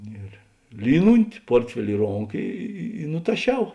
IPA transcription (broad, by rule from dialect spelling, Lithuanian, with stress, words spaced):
ˈɪr ˈlʲiːnʊnʲtʲɪ ˈpoːrʲtʲfʲɛlʲɪ ɪ ˈroːŋkɐ ˈɪ ɪ ɪ nʊtɐˈʃʲɛʊ